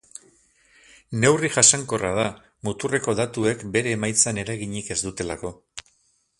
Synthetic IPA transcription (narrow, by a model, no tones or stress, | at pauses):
ne̞wriʝasaŋko̞rað̞a | mut̪ure̞ko̞ðat̪ue̞kbe̞ɾe̞ːmajt͡sane̞ɾajɣ̞iɲike̞zd̪ut̪e̞lako̞